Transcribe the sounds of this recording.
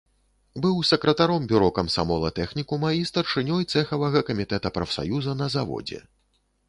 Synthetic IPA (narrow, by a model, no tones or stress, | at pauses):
bɨwsɐkɾɐt̪aɾɔmbʲuɾɔkɐmsamɔlˠɐt̪ɛxnʲikumɐist̪ɐrʂɨnʲɔjt̪sɛxɐvɐɣɐkɐmʲit̪ɛt̪ɐpɾɐfsa̰juzɐnɐzavɔ̰d͡zʲɛ̰